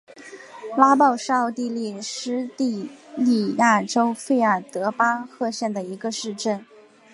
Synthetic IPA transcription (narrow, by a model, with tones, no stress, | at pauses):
la˥pɑ˥˧ʊʂɑ˥˧ʊt̪i˥˧li˥˩ʂɻ̩˥t̪i˥˧li˥˩ja˥˩ʈ͡ʂo˥ʊfe˥˧ɪə˞˥˩t̪ɤ˧˥pa˥xɤ˥˧ɕjɛ˥˩nd̪ə˩i˧˥ɡə˧ʂɻ̩˥˧ʈ͡ʂə˥˩n